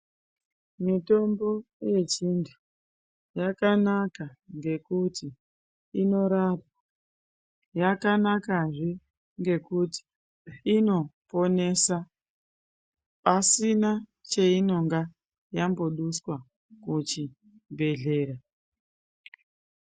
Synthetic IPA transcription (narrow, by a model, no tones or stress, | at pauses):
mito̞mbo̞je̞t͡ʃintʰu̥ | jakanakaŋɡe̞kuti | ino̞ɾara | jakanakaʐe | ŋɡe̞kuti̥ | ino̞po̞ne̞sa | pasinat͡ʃeino̞ŋɡa | jamboɗuswa | kut͡ʃi | bʱe̞ɮe̞ːɾa